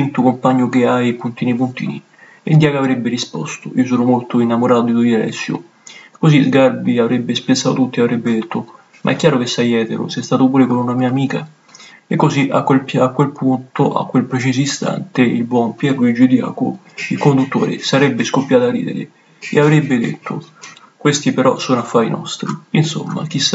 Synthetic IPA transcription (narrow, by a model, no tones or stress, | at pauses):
int̪okompaɲːʊkeajpunt̪iːnipunt̪ḭːni | ind̪jaːkavɾɛbːeɾispɔ̰st̪o̰ʔḭːos̬oːnomolt̪oinːamoɾʔaːt̪od̪id̪uialɛ̰sːjo̰ | kosizɡarbiavɾɛbːespesːaːot̪ut̪ːiavɾɛbːed̪et̪ʰːo | mʔa̰ɛkːjaːɾokesːajɛːt̪eɾo̰sɛst̪aːt̪opuːɾekonunamiːaːmiːka | ekːosiʔa̰kwelakːwelpʰunt̪oʔa̰kːwelpɾet͡ʃes̬oist̪a̰nt̪eilbwɔmpjɛːkoid͡ʒid̪ja̰ːko̰ | ilkond̪ut̪ːo̰ːɾḛsaɾɛbːeskopːjaːt̪arːḭd̪ḛɾḛ | ḛavɾɛbːed̪ḛt̪ʰːo | kwest̪ipeɾɔ̰soːnoafːaːḭnɔ̰st̪ɾiinso̰mːa̰k̟isː